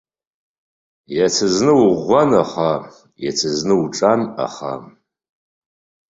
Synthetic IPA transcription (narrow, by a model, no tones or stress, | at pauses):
jat͡sʰɨznɨwʊʁʷːanaχa | jat͡sʰɨznɨuʈ͡ʂʼana̰χa̰